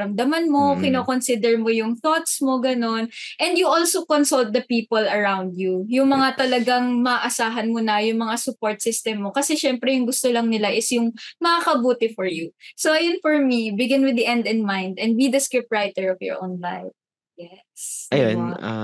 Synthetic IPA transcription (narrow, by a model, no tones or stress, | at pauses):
ɾɐmd̪amɐnmo̞kɪnoːkonsid̪ɛɹmojʊŋθot̪smoɡɐno̞nʔɛnd̪juʔolsokonsɐlt̪̚d̪ɐpiːpɔlɐɹaw̃nd̪jujʊŋmɐŋat̪ɐlɐɡaŋmɐʔɐsaːɦɐnmʊnɐjʊŋmɐŋasʊpoɹt̪̚sɪst̪ɛmːokɐsɛʃɛmpɾɛjʊŋɡʊst̪olɐŋnɪlaʔɪsjʊŋmɐkakɐbuːt̪ɪfɔɹjusowʔɐjonfɔɹmibɪɡɪnwɪd̪iʔɛ̃nd̪ɛ̃nmãjnd̪ɛ̃nd̪bid̪ɐskɹɪp̚tɹajt̪ɛɹɔfjɔ̰ɹʔõwnlajf | jɛ | sʔɐjo̰na̰